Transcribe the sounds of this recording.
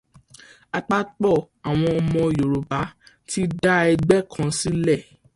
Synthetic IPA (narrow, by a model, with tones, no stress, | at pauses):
a˧k͡pa˦k͡pɔ˦˨ | a˨w̃ɔ̃˧ɔ˧mɔ̃˧˨jo˨ɾo˨ba˨˦ | tʰi˦da˦ɛ˧ɡ͡bɛ˦˨kʰã˧si˦lɛ˦˨